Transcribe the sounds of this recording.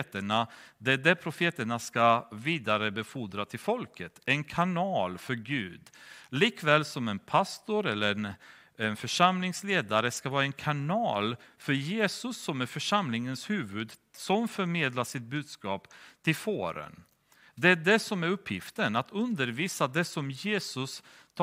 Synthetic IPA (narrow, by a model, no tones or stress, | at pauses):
t̪əɳad̪ɛd̪ɛpʰɾʊfeːt̪əɳaskaviːd̪aɾəbɛfuːd̪ɾat̪ʰɪlfɔlkʰət̪ɛnkʰanɑːlfœɾɡʉ̟ːd̪liːkvɛːlsɔmɛnpʰast̪ʊɾɛlːəɾɛn | ɛnfœʂamlɪŋsleːd̪aɾəskavɑːɾaɛnkʰanɑːlfœɾjeːsɵsːɔmæɾfœʂamlɪŋənshʉ̟ːvɵd̪sɔmfœɾmeːd̪laʂɪt̪̚bʉ̟ːd̪skɑːpt̪ʰɪlfoːɾə̰n | d̪ɛæɖɛsɔmæɾɵpʰːjɪft̪ənat̪ʰɵnd̪əɾviːsad̪ɛsɔmjeːsɵsʰ